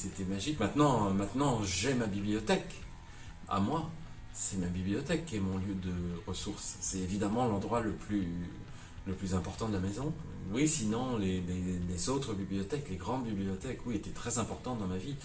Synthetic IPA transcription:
set̪ɛmaʒikmɛ̃t̪nɑ̃mɛ̃t̪nɑ̃ʒɛmabibliɔt̪ɛk | a̰mwa | sɛmabiblijɔt̪ɛkʰːɛmɔ̃ljød̪əʁəsuʁsːɛevid̪amɑ̃lɑ̃d̪ʁwaləply | ləplyzɛ̃pɔʁt̪ɑ̃d̪əlamɛzɔ̃ | wisinɔ̃lelelezot̪χəbiblijɔt̪ɛkleɡʁɑ̃d̪biblijɔt̪ɛkwiet̪ɛt̪χɛzɛ̃pɔʁt̪ɑ̃d̪ɑ̃mavi

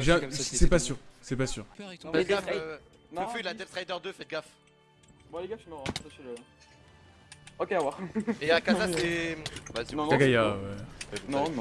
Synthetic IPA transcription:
ʒɛsɛpasyʁsɛpasy̰ʁfɛɡaf | nəfylad̪ɛp̚t̪χajd̪œʁd̪øfɛt̪̚ɡaf | bwaleɡaʃymɔ̃ʁãsasɛlə | ɔkʲeawaʁeakazasɛbasaɡajawɛnɔ̃nɔ̃

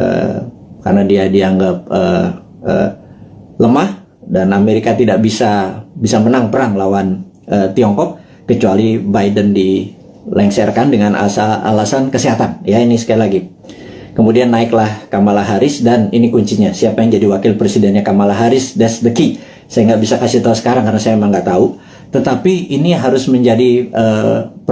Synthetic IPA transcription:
ʔə̰ | ka̰rnadiadiaŋɡap̚ə | ʔə̰ | ləmah | danameɾikat̪idaʔbisabisamənaŋpəɾaŋlawan | ət̪iɔŋkɔk̚ː | ət͡ʃualibajdəndi | lɛŋsɛrkandəŋanʔa̰saa̰lasankəsiɦat̪anjainisə̥kailaɡi | kəmudianːaɪklahkamalaɦaɾɪsdaninikuɲt͡ʃiɲasiapajaŋd͡ʒadiwakɪlpɾesidɛnɲakamalaɦaɾɪsdɛsdəki | sajaŋɡaʔbisakasɪit̪ausə̥kaɾaŋkaɾənasajamemaŋɡaʔt̪au | t̪ət̪apiːniɦaɾʊsməɲd͡ʒadiə

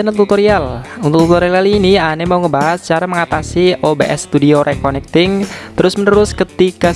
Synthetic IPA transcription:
ənət̪ut̪oɾialunt̪ʊk̚t̪ut̪oɾiaalinianemauŋəbaɦast͡ʃaɾaməŋat̪asiʔobeʔɛsːt̪udioɾʔekonɛk̚t̪ɪŋt̪əɾʊsmənəɾʊskət̪ika

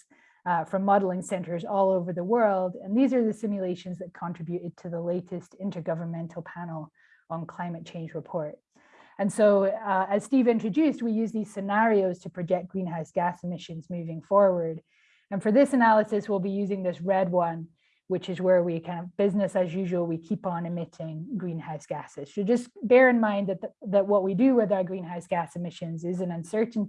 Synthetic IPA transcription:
fɹʌ̃mːʌɾl̩ˠɪ̃ŋsɛ̃ntə˞zɔlˠoʊvə˞ðəwɜ˞lˠdɨ̃nðizə˞ðɨsɪ̃mjlˠeɪʃɨ̃nzðɨt̚kʰɑ̃nɹ̥ɪbjʉɾɨd̚tʰɨðəleɪɾɨstɪ̃ntʰə˞ɡʌvə˞nmɛ̃ntʰˡl̩ˠpʰænl̩ˠ | ə̃nkʰl̥ãɪ̃mɨt̚t͡ʃʰẽɪ̃nd͡ʒɹɨpʰɔɹt | ɨ̃nsoʊɨz̥stivɪ̃nt͡ʃɹ̥ɨdʉst̚wijʉzðiz̥sɨnæɹioʊz̥tʰɨpʰɹ̥ɨd͡ʒɛk̚ɡ̥ɹĩnɦaʊsɡ̥æsɨmɪʃɨ̃nzmʉvɪ̃ŋfɔɹwə˞d | ɨ̃nfə˞ðɪsɨnælˠəsɨswilˠbijʉzɪ̃ŋðɪsɹɛd̚wʌ̃n | wɨt͡ʃɨzwə˞wikʰãɪ̃ndʌvbɪznɨsɨzjʉʒwl̩ˠwikʰipn̩ɨmɪɾɪ̃ŋɡɹĩnhaʊsɡ̥æsɨz̥sɨd͡ʒʌsb̥ɛɹɨ̃nmãɪ̃nðɨt̪̚ðɨt̚wʌʔ̚widɨwɪðə˞ɡɹĩnɦaʊsɡ̥æsɨmɪʃɨ̃nzɪzɨ̃nʌ̃nsɜ˞ʔn̩

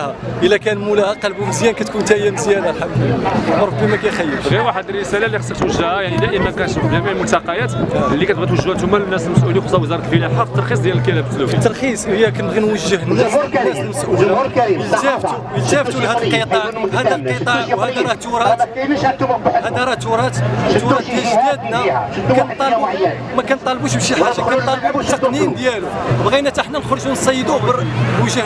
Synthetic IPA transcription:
hæʔəlːækænmulæhæqɑlbuməzjænkæt̪kunt̪æjæməzjænalħab̪wmɾˤbːimækæjxæjːəlɣiɾwaħəd̪ərːəsælælːiəsːˤɑɾt̪wəʒːəhæjaʕnid̪æʔəmːækænʃufd̪æmiʕmʊlt̪ɑqɑjæt̪lːikæt̪̚bɣit̪wəʒːhæt̪umːælmnæsəlməsʔulizˤɑwəzɑɾˤɑt̪əlfəlæħɑˤt̪ːɑɾxis̬ˤd̪jæləlkælæbət̪ːlufit̪ːɑɾˤxisˤhəjːækænbɣinwəʒːəhənːæsnæsəlməsʔuəʒæft̪ | əlʒæft̪ulhæd̪əlqət̪ˤɑʕhæd̪ælqəˤɑʕwhæd̪ɾˤɑht̪uɾˤɑt̪ | hæd̪æɾˤɑht̪uɾˤɑt̪t̪ːuɾɑt̪ːæʒæd̪nækænt̪ˤːɑlb | mækænt̪ˤːɑlbuʃbʃiħaʒːakænnt̪ˤːɑlbut̪ːəqnind̪jælubɣinæt̪əħnænxɾˤʒunsˤɑjːəd̪ubəɾwəʒːəh

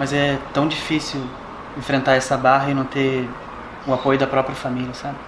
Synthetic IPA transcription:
mɐzɛt̪ɐ̃w̃d͡ʒifisiw | ẽfɾẽnt̪aɾɛsɐbaɦɐɪnɐ̃w̃t̪e | ʊapojʊd̪ɐpɾɔpɾiɐfamilʲjɐsabɪ

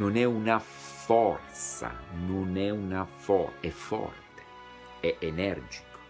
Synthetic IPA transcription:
onɛuna | fɔrt̪sa̰nonɛunafɔ̰ɛfɔ̰rt̪e̥ | ɛʔenɛrd͡ʒi̥ko̥

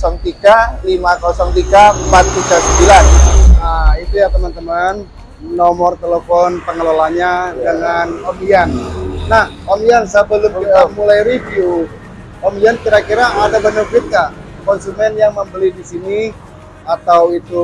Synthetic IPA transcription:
kɔsɔŋt̪iɡalimakɔsɔŋt̪iɡampat̪ːiɡasəmbilanəit̪ujat̪əmant̪əman | nɔmɔrt̪eləfɔnpəŋəlolaɲadəŋanomianːah | omiansəbəlʊməamulajɾiviu | omiankiɾakiɾaːdabaɲarkit̪a | kɔnsumɛnjaŋməmbəlidisini | at̪awit̪u

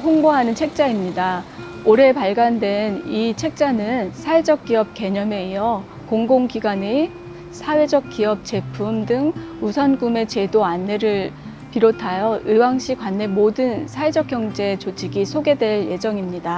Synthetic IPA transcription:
ɸoŋboɦanɯnt͡ɕʰe̞k̚t͡ɕ͈aimɲida | oɾe̞paɭɡandwe̞nit͡ɕʰek̚t͡ɕ͈anɯnsʰae̞d͡ʑʌk͈iʌp̚ke̞ɲʌme̞ijʌ | koŋɡoŋkiɡwane | sʰawe̞d͡ʑʌk̚k͈iʌp̚t͡ɕ͈e̞pʰumdɯŋusʰʌnɡume̞t͡ɕe̞doanːe̞ɾɯɭ | piɾotʰajʌɯwaŋɕʰik͈wanːe̞modɯnsʰaed͡ʑʌk͈̚jʌŋd͡ʑe̞t͡ɕod͡ʑʰiɡisʰoɡe̞dwe̞ɭje̞d͡ʑʌŋimɲida

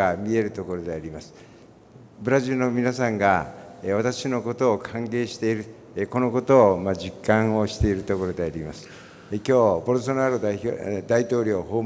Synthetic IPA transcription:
amʲie̞ɾɯ̟t̪o̞ko̞ɾo̞d̪e̞aɾʲimasɨ̥ | bɯ̟ɾaʑɨːnomʲinasãŋɡaβat̪akɕino̞ko̞t̪o̞ːkʰãŋɡe̞ːɕi̥t̪e̞iɾɯ̟ | ko̞noko̞t̪o̞ːmad͡ʑikːãɰ̃o̞ɕi̥t̪e̞iɾɯ̟t̪o̞ko̞ɾo̞d̪e̞aɾʲimasɨ̥ | kʲo̞ːpoɾos̬onaɾod̪ait̪o̞ːɾʲo̞ːɦoː

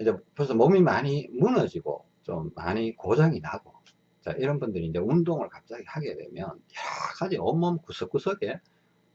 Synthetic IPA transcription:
ind͡ʑekɯɾesʰʌmʌmimaɲimunʌd͡ʑiɡo̰ | t͡ɕo̰mːa̰ɲikod͡ʑaŋinaɡo | t͡ɕa̰ʔiɾʌnbundɯɾiːnd͡ʑe̞undoŋɯɭkap̚t͡ɕ͈aɡihaɡe̞dwe̞̰mjʌnjakʰad͡ʑiʌmːʌmkusʰɯk͈usʰʌɡe̞

